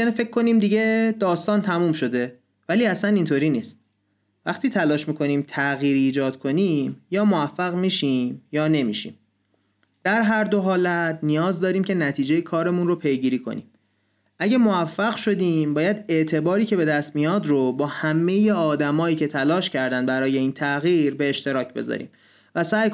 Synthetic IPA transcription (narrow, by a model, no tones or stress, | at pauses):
jænife̞cʰːo̞niːmd̪iɟe̞d̪ɒːst̪ɒːnt̪ʰæmuːmʃo̞d̪e̞ | væliːæsænint̪ʰoːɾiːniːst̪̚ | væχt̪ʰiːt̪ʰælɒːʃmiːkʰo̞niːmt̪ʰæɣiːɾiːd͡ʒɒːd̪̥kʰo̞niːmjɒːmovæfːæɣmiːʃimjɒːne̞mḭːʃḭːm | d̪̥æɾɦæɾd̪o̞ɦɒːlæt̪ʰnijɒːzd̪ɒːɾiːmcʲʰe̞næt̪ʰiːd͡ʒejekʰɒːɾe̞munropʰe̞jɡiːɾiːkʰo̞̰nḭːm | ʔæɟæmoæfːæɣʃo̞d̪iːmbɒːjæd̪e̞ʔt̪ʰe̞bɒːɾiːcʰe̞be̞d̪æst̪mijɒːd̪ɾobɒːhæme̞jeɒːd̪æmɒːiːcʰe̞t̪ʰælɒːʃcʰæɾd̪æn̚bæɾɒːje̞iːnt̪ʰæɣiːɾbe̞ːʃt̪e̞ɾɒːcʰbe̞̰zɒ̰ːɾḭːm | væsæːj